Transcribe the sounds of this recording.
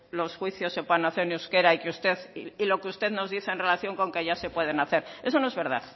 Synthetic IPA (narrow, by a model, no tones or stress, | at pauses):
lo̞sxwiθjo̞sːe̞pweðenaθe̞ɾniuske̞ɾaikeust̪e̞ðilo̞keust̪e̞ðno̞zðiθeenre̞laθjo̞ŋko̞ŋke̞ʝase̞pwe̞ð̞e̞naθe̞ɾe̞sonoe̞zβe̞ɾð̞a̰ð